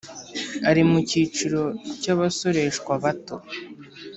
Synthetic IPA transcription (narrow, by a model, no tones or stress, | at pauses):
aɾimucit͡ʃiɾo̞caβaso̞ɾe̞ʃkwaβato̞̰